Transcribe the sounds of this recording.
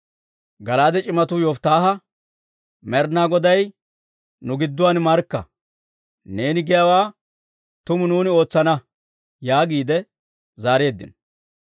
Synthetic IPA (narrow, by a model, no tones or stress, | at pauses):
ɡɐlaːd̪ɛt͡ʃʼɪmɐt̪ʊjɔft̪aːɦɐ | mɛɾnaːɡɔd̪ɐj | nʊɡɪd̪ːʊwaːnmɐɾkːɐ̰ | ne̞ːnɪɡɛjawaː | t̪ʊmʊnuːnɪo̞ːt͡sːɐnɐ | jaːɡiːd̪ɛ | zaːɾe̞ːd̪ːɪ̰n